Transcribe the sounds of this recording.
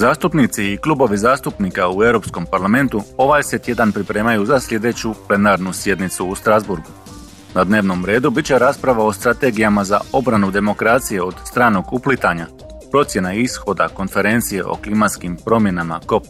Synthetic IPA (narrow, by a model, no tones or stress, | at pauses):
zaːst̪upnit̪siːklˠubo̞ʋizaːst̪upnikauevɾo̞psko̞mpaɾlˠame̞nt̪uo̞ʋajset̪je̞d̪anpɾipɾe̞ːmajuzaslʎʲe̞d̪e̞t͡ɕuple̞naːɾnusje̞d̪nit̪suːst̪ɾazbuɾɡu | nad̪ne̞ːʋno̞mɾe̞ːd̪ubitt͡ɕe̞ɾaːspɾaʋao̞st̪ɾat̪e̞ɡijamazao̞bɾanud̪e̞mo̞kɾaːt̪sije̞o̞d̪st̪ɾaːno̞ɡuplit̪aɲa | pɾo̞t̪sʲje̞naisxo̞d̪a̰ko̞nfe̞ɾe̞nt̪sije̞̰ʔo̞̰klˠimat̪skimpɾo̞mje̞nama̰ko̞p